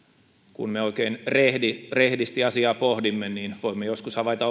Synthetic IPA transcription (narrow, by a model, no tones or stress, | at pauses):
kṵnmeoikeinrehdirehdist̪iɑsiɑːpohdimːeniːnʋoimːejoskushɑʋɑit̪ɑ